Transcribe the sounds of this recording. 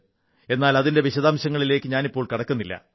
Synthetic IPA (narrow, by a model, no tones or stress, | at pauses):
e̞nːaːlɐðinde̞ʋiɕɐðaːmɕɐŋːɐɭile̞ːkːɨɲaːnipːo̞ːɭkɐɽɐkːunːilːɐ̰